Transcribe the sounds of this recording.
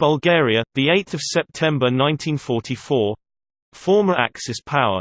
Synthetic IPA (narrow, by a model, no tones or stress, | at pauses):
b̥əlˠɡɛːɹiəðieɪtθəv̥sɛp̚tʰɛ̃mbənãɪ̃ntʰĩnfɔˑtʰifɔː | fɔːməɹʔa̰ksɛspʰaʊə̰